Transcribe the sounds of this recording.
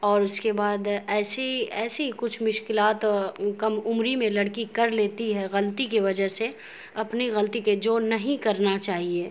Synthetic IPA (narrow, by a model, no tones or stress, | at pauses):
ɔːɾʊskebaːd̪ɛːseɛːsekʊt͡ʃʰmʊʃkɪlaːt̪kɐmʊmɾimẽlɐɽkikɐɾleːt̪iɦɛɣɐlt̪ikiʋɐd͡ʒəɦse | ɐpniɣɐlt̪iked͡ʒoːnɐɦĩkɐɾnat͡ʃaːɦieː